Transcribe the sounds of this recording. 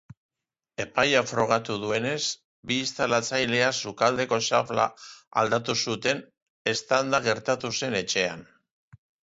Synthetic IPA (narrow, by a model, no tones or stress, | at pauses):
e̞pajafɾo̞ɣ̞at̪uðue̞ne̞s | biːst̪alat͡sajle̞asukald̪e̞ko̞ʃafla̰a̰ld̪at̪usut̪e̞n | e̞st̪and̪aɣ̞e̞ɾt̪at̪use̞ne̞t͡ʃe̞a̰n